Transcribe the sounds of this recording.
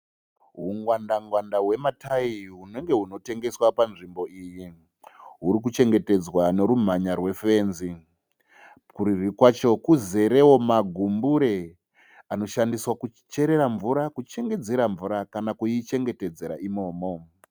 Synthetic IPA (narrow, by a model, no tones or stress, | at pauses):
ɦuŋwandaŋɡwandaɦwe̞matʰaiɦune̞ŋɡe̞ɦuno̞te̞ŋɡe̞swapanʐimbo̞iji | ɦuɾik̬ut͡ʃe̞ŋɡe̞te̞d͡zwane̞ɾum̤aɲarwe̞fe̞ːnzi | kuɾirikwat͡ʃo̞kuze̞ɾe̞wo̞maɡʱumbuɾe | ano̞ʃandiswakut͡ʃe̞ɾe̞ɾaɱvuɾakut͡ʃe̞ŋɡe̞d͡ze̞ɾaɱvuɾakanakujit͡ʃe̞ŋɡe̞te̞d͡ze̞ɾa̰imo̞ːmo